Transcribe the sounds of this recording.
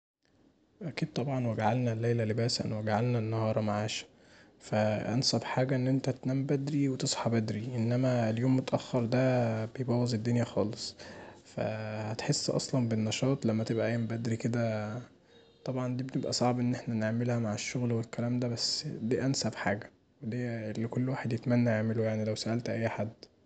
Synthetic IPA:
ʔækiːd̪̚t̪ˤɑbʕɑnweɡaʕalnælːæjlælebæːsʔæ̰nweɡaʕalnænːɑhɑːɾˤɑmaʕaːʃæ̥ | fæʔæ̰nsæbħaːɡæʔenːʔent̪æt̪næːmbæd̪ɾiwet̪esˤħɑbæd̪ɾiʔenːæmæljoːmːet̪ʔæxːɑɾˤd̪æbejebɑːwɑzed̪ːonjæxɑːlesˤfæ̰hæt̪ħesːʔɑ̰sˤlɑnbenːɑʃɑːt̪ˤlæmːæt̪ebʔæʔæjːæmbæd̪ɾiked̪æ | t̪ˤɑbʕɑnd̪iːbenebʔæsˤɑʕbʔenːeħnæneʕmelhæmaʕeʃːoɣlwelkælæːmd̪æbæsːd̪iːʔænsæbħaːɡæ | wed̪iːlːekolːwaːħed̪jet̪mænːæaʕmelojaʕnilæwsæʔælt̪ʔæjːħad̪ː

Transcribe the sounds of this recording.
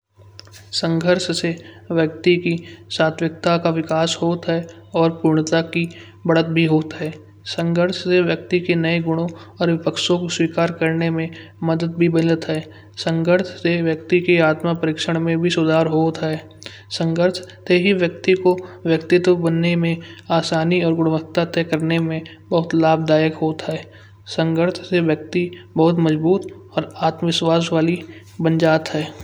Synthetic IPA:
sə̃ŋɡʱəɾʃse | ʋjək̚t̪ikisaːt̪ʰʋɪk̚t̪akaʋɪkaːshoːt̪ɦɛ | ɔːɾpuːɾɳ̃ət̪aki | bɐɽət̪̚bʱiɦoːt̪ɦɛː | sə̃ŋɡʱəɾʃseʋjək̚t̪ikenɐeɡʊɽ̃õɔːɾʋɪpəkʃõkoswiːkaːɾkəɾnemẽ | məd̪əd̪̚bʱibənət̪ɦɛː | sə̃ŋɡʱəɾʃʰseʋjək̚t̪ikeaːt̪mapəɾɪkʃəɽ̃mẽbʱisʊd̪ʱaːɾɦoːt̪ɦɛː | sə̃ŋɡəɾt̪ʰt̪eɦiʋjək̚t̪ikoʋjəkt̪ɪt̪wəbənːemẽaːsaːniɔːɾɡʊɽ̃ʋək̚t̪at̪ɛːkəɾnemẽ | bəɦʊt̪laːbd̪aːjəkɦoːt̪ɦɛː | sə̃ŋɡəɾt̪ʰseʋjək̚t̪ibəɦʊt̪məd͡ʒbuːt̪ɔːɾaːt̪mʋɪswaːs̬ʋaːli | bə̃nd͡ʒaːt̪ɦɛː

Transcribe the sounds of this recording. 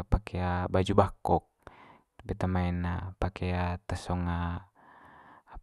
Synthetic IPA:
pakeabad͡ʒubakɔk̚ | bɛt̪amaɛnapakeat̪əsɔŋa

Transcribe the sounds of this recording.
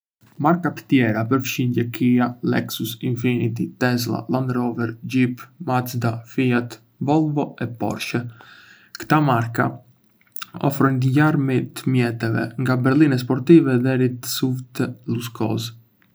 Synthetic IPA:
maɾkat̪ə̥t̪jɛɾapəɾfʃind̪ɛkʰialɛ̰ksusinfinit̪̬it̪ɛzla̰land̪ɾɔvɛɾd͡ʑipmat͡sd̪afiat̪ | vɔlˠvɔɛpɔ̰ɾʃə | kt̪amaɾka̰ | ɔ̰fɾɔnt̪əɟaɾmit̪əmjɛt̪ɛvɛ̰ŋɡabɛɾlˠinɛs̬pɔɾt̪ivɛðɛɾit̪suvt̪əluskɔ̰z

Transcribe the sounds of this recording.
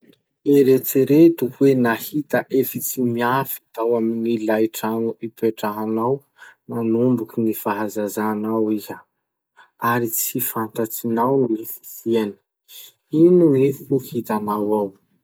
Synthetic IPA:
eɾet͡siɾet̪uwenahit̪aʔefit͡simiafi̥t̪awaminilajʈ͡ʂanuipeʈ͡ʂaɦanaw | manumbukinifaɦazazanawiza | aɾit͡sifant̪at͡sinawnifi̥siani̥ | inunifuhit̪anawaw

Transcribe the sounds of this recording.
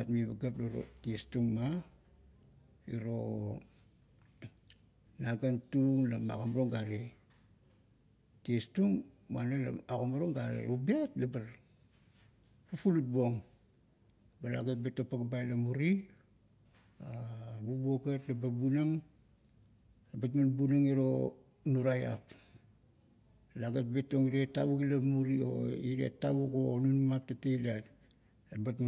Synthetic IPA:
atmiβaɡaploɾo̰tiestuŋma | iɾo | naɡantuŋlama̰komɾoŋɡaɾe | tiestuŋmuanala̰makomaɾoŋɡaɾḛubiatlabar | pupulut̚boŋ | balaɡat̚betopaɡabajlamuɾi | abubuoɡetlababunaŋ | batmanbunaŋeɾo̞ | nuɾaja̰p | laɡat̚beto̞ŋiɾetːaβuɡilamuɾio̰iɾḛtːaβukonunmap̚tatedat | ebatm

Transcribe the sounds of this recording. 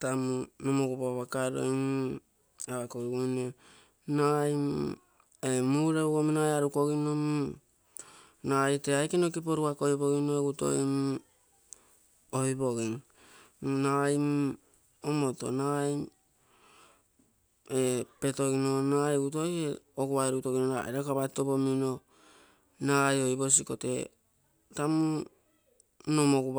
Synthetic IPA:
tamunomokupaβakaɾo̰jm | aβakojɡune | najm | emuɾeuɡomnajaɾuko̞ɡinomu | najteajkenokip̬oɾukako̞jβo̞ɡinoeɡuto̞̰jm | oibo̞ɡin | najm | omo̞to̞̰naj | epe̞to̞ɡinonajuto̞jeoɡuβajɾuutoɡinonaiɾakaβato̞bomino̞ | najo̞jbo̞s̬iko̞te̞̰ | tamu | no̞moɡuβ

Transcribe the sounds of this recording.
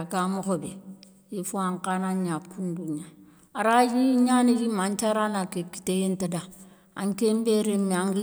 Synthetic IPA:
kamokobe | jifoaŋkanaɲakunduɲa | aɾajiɲanejimant͡ʃaɾanakeki̥tejentada | a̰ŋkembeɾemiaŋ

